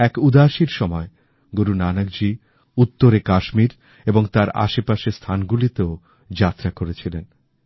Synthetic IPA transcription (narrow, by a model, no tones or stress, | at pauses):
ɛkud̪aʃiɾʃɔmɔe | ɡoɾunanaɡ̚d͡ʑi | ut̪ːoɾekaʃmiɾ | eboŋt̪aɾa̰ʃepaʃest̪ʰanɡulit̪eo | d͡ʑat̪ːɾakoɾet͡ɕʰilen